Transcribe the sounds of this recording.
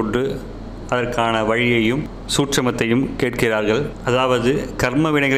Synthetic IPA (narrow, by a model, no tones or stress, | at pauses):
ʊɳɖrɯ | ɐðɐrkaːnɐʋɐɻɪjɐjɯm | suːʈʂɐmɐt̪ːɐjɯmkeːʈ̚kɪraːɾɣɐɭɐðaːʋɐðɯkɐɾmɐʋɪɳɐɪɣɐ